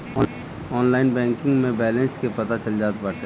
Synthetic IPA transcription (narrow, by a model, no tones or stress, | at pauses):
ɔːnlaːɪnbɛ̃ːŋkɪ̃ŋɡmẽbɛːlɛ̃nskepɐt̪at͡ʃɐld͡ʒaːt̪baːʈe